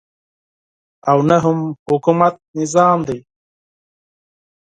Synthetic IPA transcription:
awnaɦʊmhʊkumat̪̚nɪzɑːmd̪aj

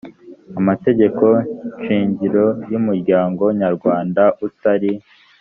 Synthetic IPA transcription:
amate̞ɟe̞ko̞nʃiːɲɟiɾo̞jumuɾɟaːŋɡo̞ɲaɾɡwaːndaʔutaɾi

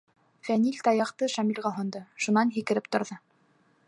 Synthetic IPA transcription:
fænilʲt̪ɑjɑqt̪ɤʃæmilʲʁɑɦŏnd̪ɤʃunɑnɦikɘ̆ɾɘp̚t̪ŏɾðɤ

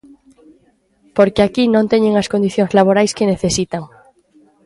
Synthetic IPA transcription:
poɾkeakinõnt̪eɲẽŋaskond̪iθjõŋzlaβoɾajskeneθesit̪aŋ

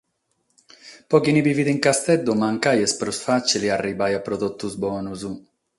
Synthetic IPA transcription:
pɔkinibiviðiŋkast̪ɛd̪ːumaŋkajɛspɾɔsfat͡ʃiliarːibajapːɾod̪ɔt̪ːuzbɔːnuzu

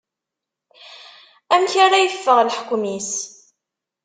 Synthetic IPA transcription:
æmçaɾæjəfːəʁlħə̥kʷːmis

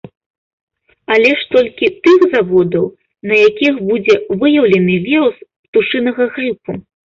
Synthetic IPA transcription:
alʲɛʂt̪ɔlʲkʲit̪ɨɣzavɔd̪ɐw | nɐjakʲixbud͡zʲɛvɨjɐwlʲɛnɨvʲiɾuspt̪uʂɨnɐɣɐɣɾɨpu

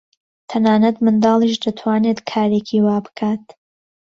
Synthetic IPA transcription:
t̪ʰɐnaːnɐt̪mɨnd̪ɑːlˠiːʃd̪ɐt̪ʰwaːnet̪kʰaːɾeːkʰiːwaːbɨ̥kʰaːt̪

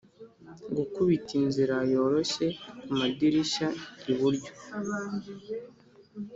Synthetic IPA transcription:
ŋɡukuβitinziɾajo̞ːɾo̞ʃe̞kumadiɾiʃaiβuɾɟo̥

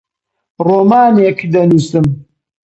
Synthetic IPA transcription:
roːmaːnekd̪ɐnusɨm

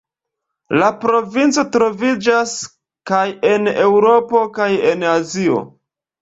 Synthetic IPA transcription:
lapɾo̞vint͡so̞tɾo̞vid͡ʒas | kaje̞ne̞wɾo̞po̞kaje̞nazio̞̰

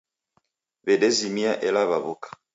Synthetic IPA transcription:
βɛdɛzimiaʔɛlaβaβukḁ

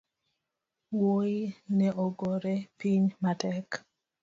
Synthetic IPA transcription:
woinɛʔoɡoɾepiɲmatɛk

